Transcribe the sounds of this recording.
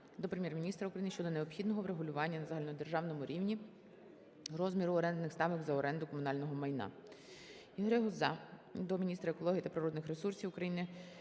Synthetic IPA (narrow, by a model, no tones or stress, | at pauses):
d̪ɔpɾemʲjɛrmʲinʲist̪ɾɐukɾɐjinʃt͡ʃɔd̪ɔneɔpxʲid̪nɔɦɔʋɾeɦʊlʲʊʋɑnʲːɐnɐzɑɦɐlʲind̪erʒɑwnɔmʊɾʲiwnʲi | rɔzmʲiɾʊɔɾɛnd̪nɪxst̪ɑʋɪɡzɐɔɾɛnd̪ʊkɔmʊnɑlʲnɔɦɔmɐjnɑ̰ | iɦɾɛɦɔzɑd̪ɔmʲinʲist̪ɾɐekɔlˠɔɦit̪ɐpɾɪɾɔd̪nɪxɾesursʲiwʊkɾɐjinɪ